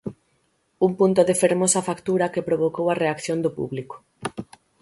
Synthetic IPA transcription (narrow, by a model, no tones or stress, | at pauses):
umpunt̪oðefeɾmosɐfakt̪uɾɐkepɾoβ̞okowɐreakθjond̪opṵβliko̥